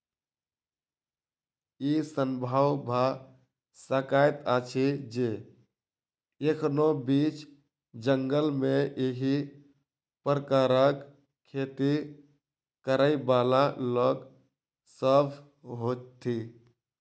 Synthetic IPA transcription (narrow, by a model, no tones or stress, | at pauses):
isəmbʱawbʱa | səkajt̪at͡ʃʰid͡ʒe | ekʰnobit͡ʃ | d͡ʒəŋɡəlmeʔeɦi | pɾəkaɾək | kʰːet̪i | kəɾəibalalək | səbʱ | ɦot͡ʃt̪ʰːi